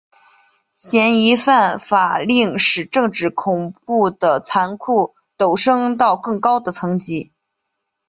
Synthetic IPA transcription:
ɕjɛ˧˥ni˧˥fa˥˩nfa˨˩li˥˩ŋʂɻ̩˨˩ʈ͡ʂɤ˥˧ŋʈ͡ʂɻ̩˥˩kʰʊ˨˩ŋpu˥˩d̪ə˩t͡sʰa˧˥nkʰu˥˩ | t̪o˨˩ʊʂɤ˥ŋt̪ɑ˥˧ʊkɤ˥˩ŋkɑ˥ʊd̪ə˨t͡sʰɤ˧˥ŋt͡ɕi˧˥

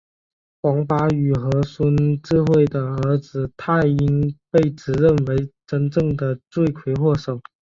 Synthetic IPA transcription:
kwɑ˧˥ŋfa˧˥y˨˩xɤ˧˥swə˥nʈ͡ʂɻ̩˥˧xwe˥˩ɪd̪ə˩ə˞˧˥t͡sɹ̩˧t̪ʰa˥˩ɪi˥npe˥˩ɪʈ͡ʂɻ̩˨˩ɻə˥˩nwe˧˥ɪʈ͡ʂə˧˥nʈ͡ʂɤ˥˩ŋd̪ə˨t͡swe˥˩ɪkʰwe˧˥ɪxwɔ˥˩ʂo˨˩˦ʊ

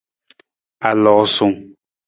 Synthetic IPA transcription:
a˨lɔ˨ʔsu˨ŋ

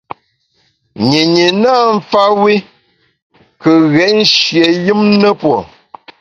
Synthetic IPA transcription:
ɲi˨ɲi˨na˦ɱ̩˦fa˦wi˦ | kə˨ɣɛ˨ʔn̩˦ʃje˨jɨ˦mnə˦pwo˨

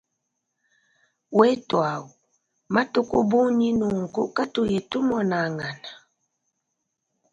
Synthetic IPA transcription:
wɛ˦twa˨wu˨ | ma˦to˦ko˦bu˦ɲi˦nu˨ŋ̩˨kṵ˦ka˦to˨je˨tu˦mɔ˨na˨ŋa˨na˨

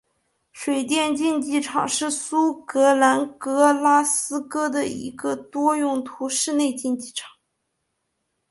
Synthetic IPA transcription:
ʂwe˨˩ɪt̪̬jɛ˥˧nt͡ɕi˥˧nt͡ɕi˥˩ʈ͡ʂʰɑ˨˩ŋʂɻ̩˥˩su˥kɤ˧˥la˧˥nkɤ˧˥la˥sɹ̩˥kɤ˥d̪ə˨ḭ˧˥ɡə˧t̪wɔ˥jʊ˥˩ŋt̪ʰu˧˥ʂɻ̩˥˧ne˥˧ɪt͡ɕi˥˧nt͡ɕi˥˩ʈ͡ʂʰɑ̥˨˩˦ŋ

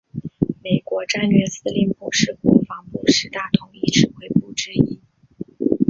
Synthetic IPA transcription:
me˨˩ɪkwɔ˧˥ʈ͡ʂa˥nɥɛ˥˧sɹ̩˥li˥npu˨˩ʂɻ̩˥˩kwɔ˧˥fɑ˧˥ŋpu˥˩ʂɻ̩˥t̪a˥˩t̪ʰʊ˧˥ŋi˥˩ʈ͡ʂʰɻ̩˨˩xwe˧˥˩ɪpu˥˩ʈ͡ʂɻ̩˥i˧˥n

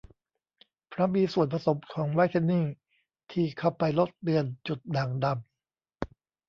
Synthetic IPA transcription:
pʰɾa˦˥miː˧su˨˩ənpʰa˧so˩˦mkʰɔː˩˦ŋwaː˦˥jt̪ʰe˥˧nːiː˥˩ | t̪ʰiː˧˩kʰa˧˥˩wpa˧jlo˦˥t̪̚li˧ənt͡ɕu˨˩t̪̚naː˨˩ŋda˧m

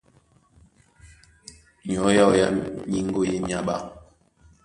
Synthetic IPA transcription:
ɲ˨ɔ˨˦ja˦˨wja̰˦ɲi˦ŋ˦ɡo˦˨je˦mja˦ɓa̰˦˨

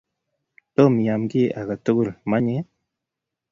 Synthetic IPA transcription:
to˦mjaː˨mɡi˦je˦˨ʔa˨ɡa˨tu˦ɡu˦˨ɾma˦ɲe˦

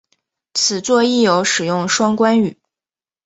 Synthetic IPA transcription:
t͡sʰɹ̩˨˩t͡swɔ˥˧i˥˩jo˧˥ʊʂɻ̩˨˩jʊ˥˩ŋʂwɑ˥ŋkwa˥ny˨˩˦

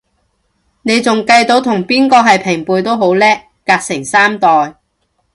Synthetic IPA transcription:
ne˨˧jt͡sʊ˨ŋkɐ˧jt̪o˨˥wt̪ʰʊ˨˩ŋpiː˥nkɔː˧ɦɐ˨jpʰɪ˨˩ŋpuː˨jt̪o˥wɦo˨˥wlɛː˥ | kaː˧k̚sɪ˨˩ŋsaː˥mt̪ɔː˨j

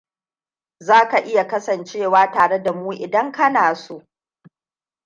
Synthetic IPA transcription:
zaː˦ka˨ʔɪ˦ja˨kɐ˦sɐ˨nt͡ʃeː˦˨waː˦taː˨ɽe˦da˨muː˦ʔɪ˨dɐ˦ŋkɐ˦naː˨su˦ʔ

